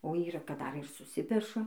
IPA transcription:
oː ˈiːrɐ kɐt ˈdɐr ɪr sʊˈsʲɪpʲɛʃɐ

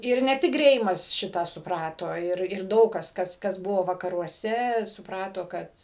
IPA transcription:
ˈɪr nʲɛ ˈtʲɪk ˈɡrʲɛɪmɐs ˈʃʲɪtɑː sʊˈprɑːtoː ˈɪr ɪr ˈdɐʊk kɐs ˈkɐs kɐs ˈbʊʋoː ʋɐkɐruɔˈsʲɛ sʊpˈrɑːtoː ˈkɐt

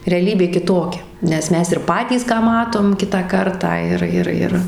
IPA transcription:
rʲɛɐˈlʲiːbʲeː kʲɪˈtoːkʲɛ ˈnʲɛs ˈmʲɛs ɪr ˈpɑːtʲiːs ˈkɑː ˈmɑːtoːm ˈkʲɪtɑː ˈkɐrtɑː ˈɪr ˈɪr ˈɪr

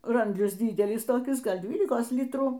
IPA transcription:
ˈrɐnʲdʲlʲɪs ˈdʲiːdʲɛlʲɪs toːˈkʲɪs ˈɡɐlˠ ˈdʲʋʲiːlʲɪkoːs ˈlʲɪtruː

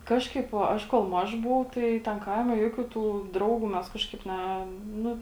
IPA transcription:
ˈkɑːʃkɐɪp oː ˈɐʃ koːlˠ ˈmɐʃ ˈbʊʋɐʊ ˈtɐɪ tʲɛn ˈkɐɪmʲɛ ˈjuɔkʲuː tuː ˈdrɐʊɡuː ˈmʲɛs ˈkɑːʃkɐɪp ˈnʲɛ ˈnʊ

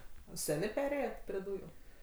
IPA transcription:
ˈsʲæːnʲeː ˈpʲæːrʲeːjɛt pʲrʲɪ ˈduːjʊ

